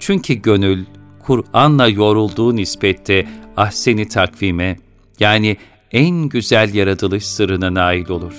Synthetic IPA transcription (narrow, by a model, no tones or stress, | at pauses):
t͡ʃʰyɲcʰyɟø̞nylʲkʰuɾanlˠajo̞ɾulˠd̪uːnispɛt̪ʰːɛahsenit̪ʰakviːmɛ | jaːni | ænɟyzælʲjaɾat̪ʰɯlˠɯʃsɯɾɯnanaːjilʲo̞lˠuɾ̥